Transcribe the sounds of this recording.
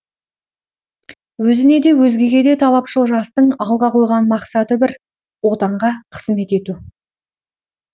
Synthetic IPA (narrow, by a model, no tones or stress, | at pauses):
wɵzɪne̞d̪e̞wɵzɡʲe̞ɡʲe̞d̪e̞t̪ʰɑlˠɑpʃəlˠʒɑst̪əɴɑlˠʁɑqʰo̞jʁɑnmɑqsɑt̪əbɪɾ | wo̞t̪ɑɴʁɑqʰə̥zme̞t̪e̞t̪u